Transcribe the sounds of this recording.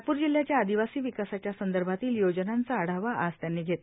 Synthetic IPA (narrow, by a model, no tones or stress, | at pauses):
puːɾd͡ʑil̤jat͡ɕjaːd̪iʋasiːʋikasat͡ɕjasənd̪əɾbʱat̪iːljod͡ʑnant͡saːɽ̤aʋaʔast̪janːiːɡʱet̪